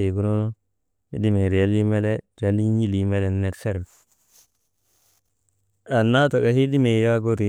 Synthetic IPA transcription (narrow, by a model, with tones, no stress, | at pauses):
i˨ɡu˦no˦no˦ | ḭ˦di˦me˨ɾi˨a˦li˦me˦le˦ɾa˦li˦ɲi˦li˨˦me˦le˨n˦ne˨tse˦ɾb | a˨nːa˦to˨ɡa˨hi˦di˦me˨ja˦ɡo˦ɾi˨